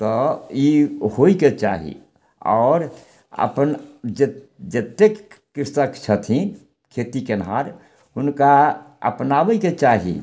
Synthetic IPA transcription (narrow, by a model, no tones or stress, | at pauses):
t̪ɔjihoiket͡ʃa̰ɦḭ | ɔːɾ | ə̰pənd͡ʒe | d͡ʒet̪ːekː | ɪst̪əkt͡ʃʰət̪ʰĩ | kʰet̪ikenɦaɾ | ʊnka | ə̰pnaʋəket͡ʃaɦḭ